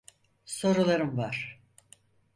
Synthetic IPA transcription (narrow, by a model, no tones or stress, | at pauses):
so̞ɾulˠaɾɯmvaɾ̥